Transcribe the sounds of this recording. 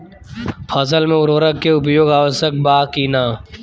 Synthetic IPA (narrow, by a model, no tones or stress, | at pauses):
fʰɐsəlmẽʊɾʋəɾəkːeʊp̬joːɡaːʋəsək̚baːkiːnaː